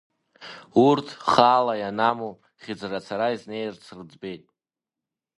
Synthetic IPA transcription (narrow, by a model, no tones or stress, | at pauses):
urtʰχaːlajanamu | χʲɪd͡zrat͡sʰaɾaizne̞jrt͡sʰrɨd͡zbe̞jtʼ